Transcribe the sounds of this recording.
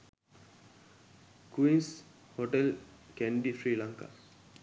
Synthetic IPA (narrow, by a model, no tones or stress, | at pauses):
kuins | hoʈelkænɖifɾiːlaŋka̰